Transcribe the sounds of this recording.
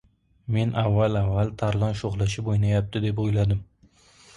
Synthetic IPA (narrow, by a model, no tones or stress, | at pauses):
me̞nʔavːalavːalˠt̪ʰaɾlˠɒnʃoʁlˠaʃɪbojnajap̚t̪ʰɪd̪e̞pojlad̪ɪm